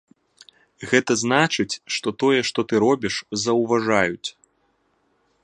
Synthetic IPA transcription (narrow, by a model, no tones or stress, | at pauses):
ɣɛt̪ɐzn̪at͡ʂɨt͡sʲʂt̪ɔt̪ɔjɛʂt̪ɔt̪ɨɾɔbʲiʂzɐwvaʐajut͡sʲ